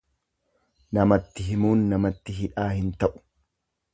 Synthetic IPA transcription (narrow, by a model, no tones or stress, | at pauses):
nɐmɐt̪ːɪɦɪmuːnːɐmɐt̪ːɪɦɪᶑaːhɪnt̪ɐʔʊ̥